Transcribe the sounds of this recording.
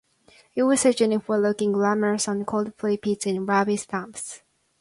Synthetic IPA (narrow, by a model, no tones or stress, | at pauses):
ɪt̚wʌz̥səd͡ʒɨ̃nɪfəlʊkɪ̃ŋɡlæmə˞zn̩kʰoʊlˠdpʰl̥eɪpʰitsɪ̃nɹabistãmps